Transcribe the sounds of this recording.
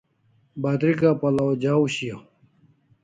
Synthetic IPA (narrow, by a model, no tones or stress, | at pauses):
bat̪ɾikapɐlaod͡ʑauɕija